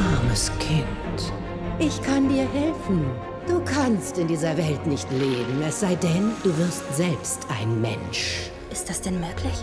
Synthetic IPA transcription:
ʔaɐməskʰɪnt | ʔɪçkʰandiːɐɦɛlfn̩ | d̥uːkʰanstɪndiːzɐvɛltnɪçtleːbm̩ɛsz̥aɪdɛnd̥uːvɪɐstz̥ɛlpstʰʔaɪnmɛ̰nʃ | ʔɪstd̥asd̥ɛnmøːkʰlɪç

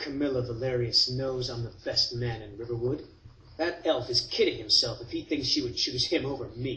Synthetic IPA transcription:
kʰɨmɪlˠəvəlɛɹiɨsnoʊzn̩ðəb̥ɛst̚mæ̃nɨ̃nɹɪvə˞wʊd̪̚ | ðɨɾɛlˠfɨz̥kʰɪɾɪ̃ŋhɨ̃msɛlˠfɨfhiθɪ̃ŋksʃiwɨd̚t͡ʃʰʉz̥ɨ̃moʊvə˞mi

